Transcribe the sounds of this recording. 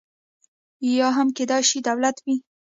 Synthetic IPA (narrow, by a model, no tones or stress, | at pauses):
ijɑɦamked̪ɑjʃid̪awlat̪wi